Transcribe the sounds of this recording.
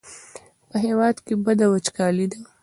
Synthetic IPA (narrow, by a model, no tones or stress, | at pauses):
pəɦewɑd̪kebəd̪awat͡ʃkɑlid̪a